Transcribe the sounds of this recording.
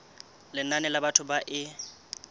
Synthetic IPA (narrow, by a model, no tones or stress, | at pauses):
lɪnanɛlabatʰʊbaʔɪ